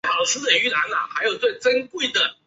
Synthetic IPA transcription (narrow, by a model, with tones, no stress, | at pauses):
ɑ˨˩ʊə˧s̩˥t̪ə˨˩y˥la˧˥na̰˨˩xa˧˥ɪjo˨˩ʊt͡swe˥˩ɪt͡sə˥nkwe˥˩ɪd̪ə˩